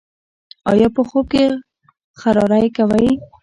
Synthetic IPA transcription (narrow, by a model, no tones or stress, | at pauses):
ɑ̰jɑpəxop̚ke | xaɾɑɾajkawaj